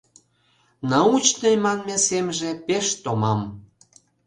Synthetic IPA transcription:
nɑut͡ɕnəjmɑnmesemʒepeʃt̪omɑm

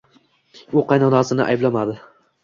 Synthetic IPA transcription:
ʊqɑjnɒnɒsɪnɪʔa̰jblamad̪ɪ

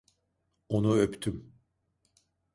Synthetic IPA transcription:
onuøpt̪ʰym

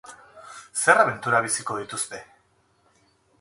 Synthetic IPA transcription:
se̞raβe̞nt̪uɾaβ̞isiko̞ð̞it̪ust̪e̞

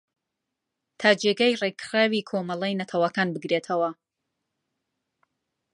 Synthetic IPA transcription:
t̪ʰaːd͡ʒeɡɐjrekɾaːwikʰomɐlˠɐjnɐt̪ʰɐwɐkaːnbɨɡɾet̪ʰɐwɐ

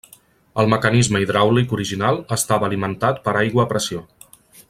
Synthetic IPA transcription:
əlˠməkənizməiðɾawlikuɾiʒinalˠəst̪aβəːlimənt̪at̪pəɾajɣwəːpɾəsio

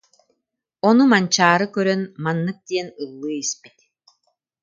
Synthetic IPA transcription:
ɔnumant͡ɕaːɾɯkœɾœnmanːɯk̚d̪iɛnɯlˠːɯːispit̪

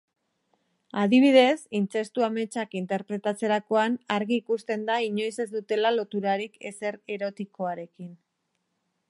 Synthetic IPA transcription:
aðiβ̞iðe̞sint͡se̞st̪uame̞t͡ʃakint̪e̞ɾpɾe̞t̪at͡se̞ɾako̞anaɾɣiːkust̪e̞nd̪aiɲo̞jse̞zd̪ut̪e̞lalo̞t̪uɾaɾike̞̰se̞ɾe̞ɾo̞t̪iko̞aɾe̞kin

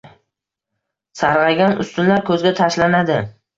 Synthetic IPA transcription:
saɾʁɑɡʲanʊ̰st̪ʊnlaɾkʰɵzɡʲat̪ʰaʃlanad̪ɪ

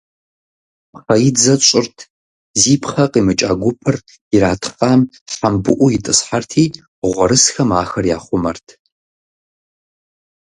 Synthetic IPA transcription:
χɐjɪd͡zɐt͡ʃʷʼɪrtʰ | ziːpʰχɐqiːmɨt͡ʃʼaːɡʷʊpʰɨr | jɪɾaːtʰqaːm | ħambɨʔʷʊjɪtʼɨsħartʰiː | ʁʷɔɾɨsxɐmaːxɐrja̰ːχʷʊmɐrtʰ

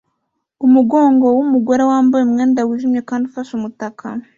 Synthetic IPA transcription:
umuɡo̞ːŋɡo̞wumuɡoɾewaːmbajemŋe̞ːndawiʒimɲje̞kaːndiufaʃumutakʰa

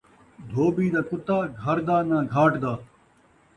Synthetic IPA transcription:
d̪ʱoːbiːd̪aːkʊt̪aːɡʱɐɾd̪aːnãːɡʱaːʈd̪aː

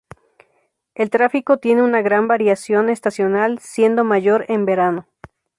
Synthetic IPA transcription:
e̞lt̪ɾafiko̞t̪je̞ne̞unaɣɾambaɾjasjo̞ne̞st̪asjo̞nalsje̞nd̪o̞maʝo̞ɾe̞mbe̞ɾano̞

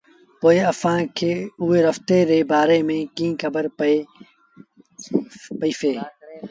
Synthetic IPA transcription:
poːɪəsãːkʰeːʊɦeːɾəft̪eːɾeːbaːɾeːmẽːkĩːkʰəbəɾe | pəiːfeː

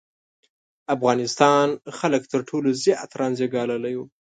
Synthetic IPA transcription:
afɣɑnɪst̪ɑnxalək̚t̪əɾʈʰoloziʔt̪ɾɑnzeɡɑlalaju

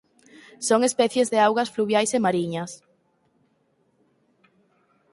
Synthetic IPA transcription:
soŋespɛθjezðeawɣɐsfluβjajsemaɾiɲɐs

